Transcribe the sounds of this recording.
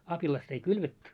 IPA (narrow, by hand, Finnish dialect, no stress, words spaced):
ɑpilɑst ei kylʋetːy